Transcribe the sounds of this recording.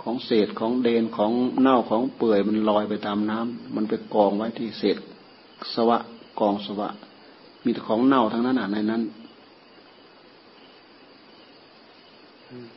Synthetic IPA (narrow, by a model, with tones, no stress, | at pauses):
kʰɔː˨˦ŋseː˨˩t̪̚kʰɔː˨˩˦ŋdeː˧nkʰɔː˨˦ŋna˧˩˨wkʰɔː˨˦ŋpɤː˨˩əjma˧˨nlɔː˧˩jpa˨jt̪aː˨mnaː˧˥˨mːa˧˥˨npa˧˨jkɔː˨˩ŋwa˧˥˨jt̪ʰiː˧˩seː˨˩t̪̚ | sa˧wa˧ʔkɔː˨˩ŋsa˧wa̰˧˥ʔ | miː˧˩t̪kʰɔː˨˩˦ŋna˧˩˨wt̪ʰa˧naː˧˥˨na˧˨na˧˩jna˧˥˨n˧˩